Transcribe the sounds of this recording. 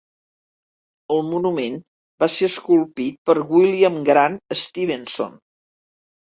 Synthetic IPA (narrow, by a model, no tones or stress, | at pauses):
əlˠmunumen | baseəskulˠpit̪̚pəɾɣwiliəmɡɾanəst̪iβenso̰n